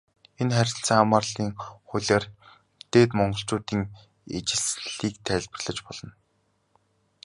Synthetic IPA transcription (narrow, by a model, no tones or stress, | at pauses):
enχæɾʲɪ̆ɬt͡saːŋamaːrɮiːŋχʊɮʲaːr | t̪eːt̪mɔɴɢɞ̆ɬt͡ɕʊːt̪iːŋ | et͡ɕɪ̆ɮiːk̚t̪ʰæːɮʲpə̆rɮ̥ə̆t͡ɕpɔɮɞ̆n